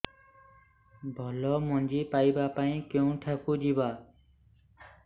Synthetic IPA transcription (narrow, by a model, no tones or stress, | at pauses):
bʱəlɔːmond͡ʒiːpaːiːbaːpaːĩːkeũːʈʰəkuːd͡ʒiːbaː